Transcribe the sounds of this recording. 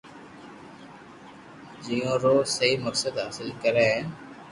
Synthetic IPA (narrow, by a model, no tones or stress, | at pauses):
d͡ʒiːõːɾoːsəɦiːməksəd̪ɦaːsɪlkəɾẽː